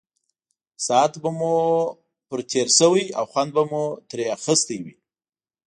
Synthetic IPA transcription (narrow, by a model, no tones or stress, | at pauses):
sɑat̪bamu | pəɾt̪ʰeɾsəwəja̰wxwand̪̚bamut̪ɾeaxəst̪əjwi